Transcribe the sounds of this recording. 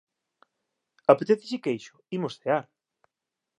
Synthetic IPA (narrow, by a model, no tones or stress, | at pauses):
apet̪eθɪsɪkejʃʊ̥imosθeaɾ